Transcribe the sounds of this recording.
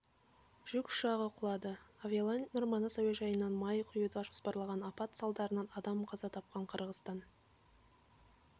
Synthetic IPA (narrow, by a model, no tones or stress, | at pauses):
ʒ̥ʏkʊ̥ʃɑʁəqʰʊlˠɑd̪əavʲelˠanʲnʊɾmɑnəsɑweʒɑjənːɑnmɑjqʰʊjət̪ɑʒospɑɾlˠɑʁɑnɑpɑt̪sɑlˠd̪ɑɾənɑnɑd̪ɑmqʰɑzɑt̪ʰɑp̚qɑɴqʰəɾʁəst̪ɑn